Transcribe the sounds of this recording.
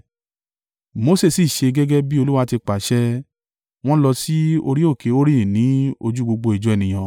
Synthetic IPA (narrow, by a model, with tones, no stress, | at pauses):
mo˧se˦˨si˨ʃe˧ɡɛ˦ɡɛ˦bi˦o˧lu˦wa˧ti˧k͡pa˨ʃɛ˦ | w̃ɔ̃˦lɔ˧si˦o˧ɾi˦o˦˨ke˨˦o˦ɾi˦ĩ˨nĩ˨˦o˧d͡ʒu˦ɡ͡bo˧ɡ͡bo˧i˨d͡ʒu˨˦ɛ˨nĩ˨j̃ã˧